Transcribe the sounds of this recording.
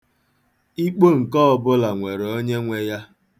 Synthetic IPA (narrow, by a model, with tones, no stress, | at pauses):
i˦k͡po˦ŋ̩˨kɔ˦ɔ˦bʊ˦la˨ŋʷe˨ɾo˦ɲe˦ŋʷe˦ja˦